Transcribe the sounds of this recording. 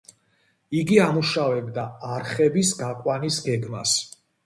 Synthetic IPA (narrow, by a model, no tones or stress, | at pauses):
iɡiamuʃavɛbd̪aːɾχɛbisɡakʼwanisɡɛɡmas